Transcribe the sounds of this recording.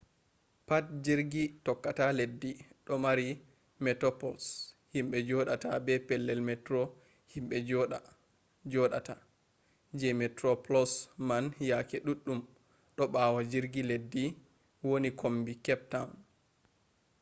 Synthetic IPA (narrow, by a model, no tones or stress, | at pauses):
pat̚d͡ʒiɾɡitɔkːataledːiɗɔmaɾi | mɛtɔpɔls | himɓɛd͡ʒɔɗatabɛpɛlːɛlmɛtɾɔ | himɓɛd͡ʒɔ | d͡ʒɔɗa̰ta | d͡ʒɛmɛtɾɔplɔsmanjakɛɗuɗːum | ɗɔɓawad͡ʒiɾɡiledːi | wonikʰombikɛp̚taun